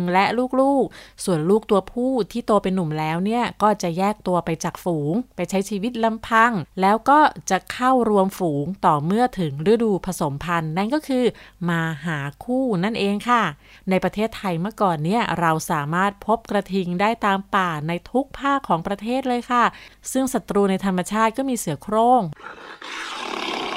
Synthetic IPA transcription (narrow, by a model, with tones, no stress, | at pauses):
ŋlɛ˦˥luː˥˩k̚luː˥˩k̚su˨˩ənluː˥˩k̚t̪u˧ɐpʰuː˥˩t̪ʰiː˥˩t̪u˧əpe˧nːu˨˩mlɛː˦˥wni˥˩ɐkɔː˥˩t͡ɕa˨˩jɛː˥˩k̚t̪u˧ɐpa˧jt͡ɕaː˨˩k̚fuː˩˦ŋpa˧jt͡ɕʰa˦˥jt͡ɕʰiː˧wi˦˥t̪̚la˧mpʰa˧ŋlɛː˦˥wkɔː˥˩t͡ɕa˨˩kʰa˥˩wɾu˧əmfuː˩˦ŋt̪ɔː˨˩mɯ˥˩ɐt̪ʰɯ˩˦ŋɾɯ˦˥˩duː˧pʰa˧so˨˩˦mpʰa˧nːa˥˩nkɔː˥˩kʰɯː˧maː˧ɦaː˩˦kʰuː˥˩na˥˩nʔeː˧ŋkʰa˥˩ | na˧jpɾa˧t̪ʰeː˥˩t̪ʰːa˧jmɯ˥˩ɐkɔː˨˩nːi˦˥˩ɐɾa˧wsaː˩˦maː˥˩t̪̚pʰo˦˥p̚kɾa˧t̪ʰi˧ŋdaː˥˩jt̪aː˧mpaː˨˩na˧jt̪ʰu˦˥k̚pʰaː˥˩kʰːɔː˩˦ŋpɾa˧t̪ʰeː˥˩t̪̚lɤː˧jkʰa˥˩sɯ˥˩ŋsa˨˩t̪ɾuː˧na˧jt̪ʰa˧ma˧t͡ɕʰaː˥˩t̪̚kɔː˥˩miː˧sɯ˩˦ɐkʰɾoː˥˩ŋ